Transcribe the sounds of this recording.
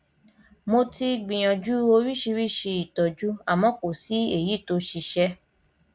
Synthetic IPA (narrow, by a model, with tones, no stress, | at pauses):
mo˧ti˧ɡ͡bĩ˨j̃ɔ̃˨d͡ʒu˦o˧ɾi˦ʃi˧ɾi˦˨ʃe˧i˨tɔ˨d͡ʒu˦a˦˨mɔ̃˨˦ko˨si˨˦e˦˨ji˨˦˨to˧˦ʃi˧ʃɛ˧